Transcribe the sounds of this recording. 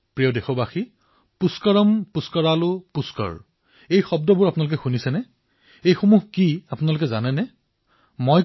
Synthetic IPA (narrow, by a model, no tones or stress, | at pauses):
pɹijɔdexɔbaxi | puskɔɹɔmpuskɔɹalʊpuskɔ̰ɹ | ejxɔb̚dɔbʊɹapʊnalʊk̬ɛxunisɛnɛ | ejxumuɦkiapʊnalʊkɛzanɛnɛ | moj